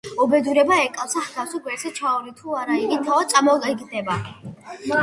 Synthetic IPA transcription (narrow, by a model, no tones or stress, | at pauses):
ɔbɛd̪uɾɛbaɛkʼafsahɡafsɔɡwɛɾsɛt͡ʃʰaɔlit̪ʰuaɾaiɡit̪ʰaat̪sʼamɔiɡd̪ɛba